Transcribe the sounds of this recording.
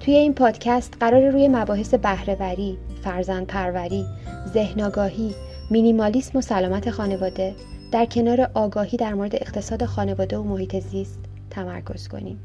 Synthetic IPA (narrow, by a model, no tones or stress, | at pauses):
t̪ʰuje̞inpʰɒːd̪̥cʰæst̪ɢæɾɒːɾeɾuːje̞mæbɒːɦe̞se̞bæhɾe̞væɾiːfæɾzænd̪̥̚pʰæɾvæɾiːze̞hnɒːɡɒːɦiː | minimɒːlismo̞sælɒːmæt̪ʰe̞xɒːne̞vɒːd̪e̞ | d̪̥æɾcʰe̞nɒːɾe̞ʔɒːɡɒːhiːd̪æɾmoɾed̪e̞eχt̪ʰe̞sɒːd̪e̞xɒːne̞vɒːd̪e̞omo̞hiːt̪ʰe̞zist̪ʰː | æmæ̰ɾkʰo̞̰z̥kʰo̞̰nḭːm